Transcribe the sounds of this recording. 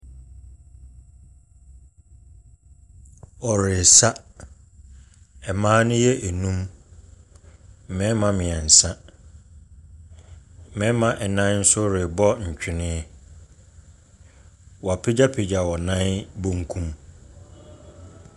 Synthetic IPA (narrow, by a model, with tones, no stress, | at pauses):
ɔ˨ɾɪ˨sa˦ | ɛ˨mãː˦nʊ̃˦jɛ˦ʔe˨nũ˦m˨ | mɛ̃˦mã˨mɪ̃˨ɛ˨n̩˨sã˦˨ | mɛ̃˦mã˨ʔɛ˨nã˦n̩˦sʊ˦ɾɪ˨bɔ˦ɲ̩˨t͡ɕᶣɪ˨nɪ̃˦ɛ˦ | wɔ˨a˨pʰe˦d͡ʑa˦pʰe˨d͡ʑa˨wɔ˨nã˦nbõ˦ŋkʰũ˦m